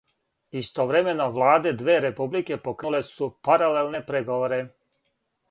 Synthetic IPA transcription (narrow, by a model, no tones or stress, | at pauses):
ist̪oʋɾemenoʋlˠaːd̪ed̪ʋeːɾepublike̞pokɾulesupaɾalelˠnepɾeɡoʋoɾe